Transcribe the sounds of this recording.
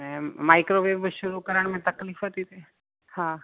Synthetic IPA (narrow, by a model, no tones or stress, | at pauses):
ẽmaːɪkɾoʋeːbʃʊɾukəɾəɳ̃mẽt̪ɐkliːfɦət̪it̪ʰe | hã